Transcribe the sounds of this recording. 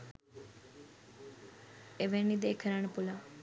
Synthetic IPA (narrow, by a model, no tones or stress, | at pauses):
eʋenid̪eːkʰəɾaɳpʊla